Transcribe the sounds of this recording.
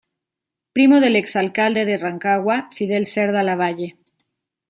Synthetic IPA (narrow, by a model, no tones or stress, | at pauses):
pɾimo̞ð̞e̞le̞ksalkald̪e̞ðe̞raŋkaɣwafiðe̞lse̞ɾðalaβ̞aʝe̞